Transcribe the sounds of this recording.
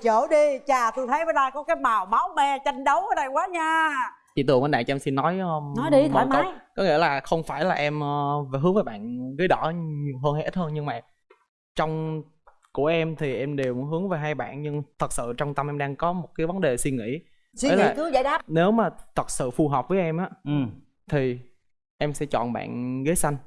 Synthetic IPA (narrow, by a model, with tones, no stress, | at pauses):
t͡ɕəː˧˩ɗi˧t͡ɕaː˨˩t̪o˧jt̪ʰə˨˦jɓə˨˦jlaː˧jkɔ˨˦kaː˨˦jmaː˨˩wma˨˦wmɛ˧t͡ɕa˧jŋ̟ɗə˨˦wʔəː˨˦na˧˩jkwaː˨˦ɲaː˧ | t͡ɕḭ˧˨t̪ɨ˨˩əŋʔəː˧˩ɗa̰ː˧˨t͡ɕːmsi˧nːɔ˨˦jnɔ˨˦i˧˨˩a˨˦kɔ˨˦ŋḭ˧˥əlaː˨˩xə˧wŋ͡mfaː˧˩jlaː˨˩ʔɛ˧mʔə˧ve˨˩ɦɨ˨˦ŋvːjɓa̰ː˧˨nɣə˨˦jɗɔ̰˧˩ɲi˨˩əwɦəː˧nha˧jʔi˦˥t̚həː˧nɲɨ˧ŋmaː˨˩ | t͡ɕɔ˧wŋ͡m | ku˧˩əʔɛ˧mt̪ʰi˨˩ʔɛ˧mɗe˨˩wɦɨ˨˦əŋve˨˩ɦaː˧jɓa̰ː˧˨nɲɨ˧ŋt̪ʰə˨˩t̚sɨ̰˧˨t͡ɕɔ˧wŋ͡mt̪ə˧mʔɛ˧mɗaː˧ŋkɔ˨˦mo˨˩t̚kaː˨˦jvə˨˦nɗe˨˩swi˧ŋḭ˧˥˨ | e˨˦aː˨˩˨za˧˨˦ɗaː˦˥ne˨˦wmaː˨˩t̪ʰə˨˩t̚sɨ̰˧˨fu˧ɦəː˨˩p̚vəː˨˦jʔɛ˧mʔaː˨˦˨ | t̪ʰi˨˩ | ʔɛ˧msɛ̰˧˥t͡ɕɔ̰˧˨nɓa̰ː˧˨nɣə˨˦jsa˧jŋ̟